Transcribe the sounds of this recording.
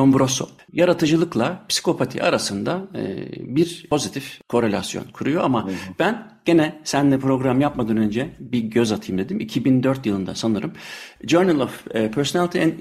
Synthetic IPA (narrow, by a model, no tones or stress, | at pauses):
ombɾoso̰ | jaɾat̪ʰɯd͡ʒɯlˠɯklˠapsi̥kʰo̞pʰat̪ʰḭʔa̰ɾasɯnd̪aɯ̰biɾpʰo̞zit̪ʰifkʰo̞ɾe̞lʲa̰sjo̰nkʰuɾujo̞amab̥æn | ɟ̥e̞nɛsænd̪ɛpɾo̞ɡɾamjapmad̪ɯːnø̞nd͡ʒɛbiɟøzat̪ʰɯjɯmd̪e̞d̪imicʰibind̪øɾt̪jɯlˠɯnd̪asanɯɾɯmd͡ʒøɾnilˠofpʰøɾsonalʲˠt̪ʰiæn